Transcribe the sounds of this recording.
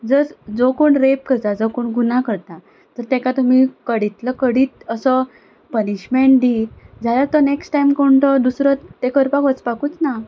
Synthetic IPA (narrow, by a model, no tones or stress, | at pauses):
d͡zəɾd͡zokoɳɾep̚kət̪ad͡zokoɳɡunakəɾt̪a | t̪əɾt̪ekat̪um̤iːkəɽit̪ləkəɽiːt̪əsə | pəniɕmeɳʈ̚d̪iːd͡zʱalaɾt̪əneksʈajmkoɳʈəd̪usɾət̪ːekəɾpakʋət͡spakuːt͡sna